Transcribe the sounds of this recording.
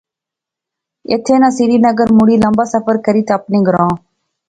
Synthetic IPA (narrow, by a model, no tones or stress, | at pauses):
ḛːt̪ʰeːnãːsiːɾiːnəɡəɾmuɽiːləmbaːsəfəɾkəɾiːt̪aəpnẽːɡɾãː